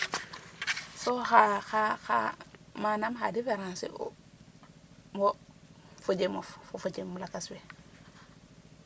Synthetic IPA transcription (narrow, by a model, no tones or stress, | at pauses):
soxaxaxa̰manamxa̰difeɾãnsḭ | mofod͡ʒemoffofot͡ʃemulakaswe